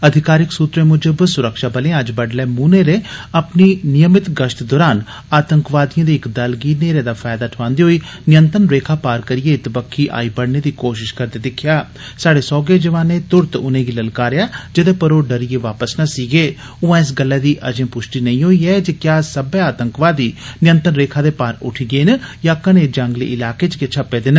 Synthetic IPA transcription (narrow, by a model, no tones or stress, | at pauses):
əd̪ʱɪkaːɾɪksuːt̪ɾẽːmʊd͡ʒəbsʊɾəkʃaːbəleãəd͡ʒbəɖlɛːmuːneːɾeːəpniːnɪjəmɪt̪ɡəʃt̪d̪ɔːɾaːn | aːt̪əŋkʋaːd̪ɪjãːd̪eːɪkd̪əlɡiːneːɾeːd̪aːfʰaːjd̪aːʈʰʊʋãːnd̪eːɦoːiː | nɪjə̃nt̪ɾənɾeːkʰaːpaːɾkəɾɪjeːt̪bəkʰːiːʔa̰ːiːbəɽneːd̪iːkoːʃ̬ɪʃkəɾd̪eːd̪ɪkʰɪjaː | saːɽeːsɔːɡeːd͡ʒəʋaːneːt̪ʊɾt̪ʊnẽːɡiːləlkaːɾejaːd͡ʒəd̪eːpəɾoːɖəɾijeːʋaːpəsnaːsiːɡeː | ʊãːɪs̬ɡəlːɛːd̪iːʔə̰d͡ʒə̃ːpʊʃʈiːnəĩːɦoːiːɛːd͡ʒeːkjaːsəbɛːaːt̪əŋkʋaːd̪iːnɪjə̃nt̪ənɾeːkʰaːd̪eːpaːɾʊ̰ʈʰiːɡeːnəjaːkənẽd͡ʒəŋɡlḛːʔɪlaːkeːt͡ʃket͡ʃʰəpːeːd̪en